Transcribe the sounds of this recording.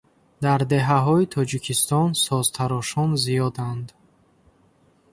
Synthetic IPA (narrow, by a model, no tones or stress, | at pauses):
d̪aɾd̪e̞ɦaɦɔit̪ʰɔd͡ʒikʰist̪ɔnsɔzt̪ʰaɾɔʃɔnzijɔd̪and̪